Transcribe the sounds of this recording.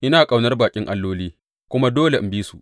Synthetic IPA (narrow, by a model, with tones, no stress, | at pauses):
ʔɪ˦naː˨kʼa˨wnɐ˦rbaː˨kʲʼɪ˦ŋʔa˦lːoː˦liː˦ | kʷʊ˦ma˦doː˦le˨m̩˦biː˦su˨ʔ